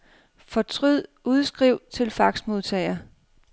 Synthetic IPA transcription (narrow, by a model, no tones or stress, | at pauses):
fɒ̽t͡sʰʁyð̰ˠ | uðˠsɡ̥ʁiʊ̰t͡sʰe̝lfɑ̈ɡ̥smo̝ðˠt͡sʰɛ̰ɪ̰ɐ